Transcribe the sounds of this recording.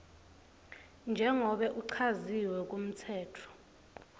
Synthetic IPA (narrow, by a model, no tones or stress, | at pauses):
nd͡ʒʱɛŋɔɓɛʔuǀʰaziwɛkʼum̩tʰɛːtʰɔ̥